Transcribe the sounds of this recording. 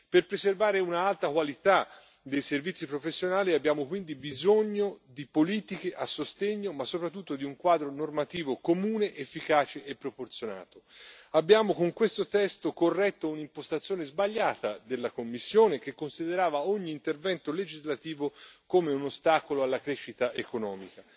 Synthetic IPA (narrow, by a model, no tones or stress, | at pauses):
perpɾeservaːɾeunaalt̪akwalit̪a | d̪ejservit̪sːipɾofesːjonaːliabjaːmokwind̪ibizoɲːod̪ipoliːt̪ikeʔasːost̪eɲːomasːopɾat̪ːut̪ːod̪iuŋkwaːd̪ɾonormat̪iːvokomuːneʔefːikaːt͡ʃeʔepːɾoport̪sjona̰ːt̪oabːjaːmokoŋkwest̪ot̪ɛst̪okorːɛt̪ːounimpost̪at̪sːjoːnezbaʎːaːt̪ad̪elːakomːisːjoːnek̟ekːonsid̪eɾaːvaoɲːiːnt̪ervɛnt̪oled͡ʒizlat̪iːvokomeunost̪aːkoloalːakɾɛʃːit̪aʔekonɔːmika